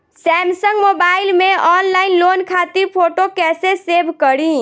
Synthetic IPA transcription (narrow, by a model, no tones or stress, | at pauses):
sɛmsəŋɡmobailmeʔɔnlainlonkʰat̪iɾpʰoʈokɛsesebʱkəɾĩ